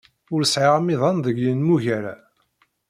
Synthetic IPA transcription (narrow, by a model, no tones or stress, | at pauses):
ʊɾəsʕɪʁmiðˤɑnðˤəɡjənmuʝæɾa̰